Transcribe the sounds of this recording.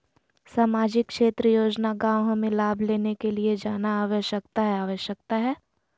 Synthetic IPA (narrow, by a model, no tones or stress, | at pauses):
saːmaːd͡ʒɪkːʃeːt̪ɾəjoːd͡ʒnaɡãːwɦmẽlaːbʱleːnekelied͡ʒaːnaaːʋəʃjək̚t̪aɦɛaːʋəʃjək̚t̪aɦɛː